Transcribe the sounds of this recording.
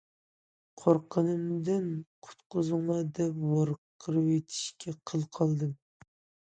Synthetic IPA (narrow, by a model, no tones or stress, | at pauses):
qʰoɾqʰənɨmd̪ɨnqʰʊ̥t̪qʰʊzɨŋlˠɑd̪ɛpwɑɾqʰːəɾɨwet̪ʰi̥ʃkʲʰɛqʰəlˠqʰɑlˠd̪ɨm